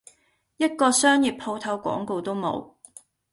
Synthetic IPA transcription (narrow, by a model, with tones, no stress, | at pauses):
jɐ˥t̚kɔː˧sœː˥ŋjiː˨p̚pʰo˧wt̪ʰɐ˨˥wkʷɔ̰ː˨˥ŋko˧wt̪o˥wmo̰˨˧w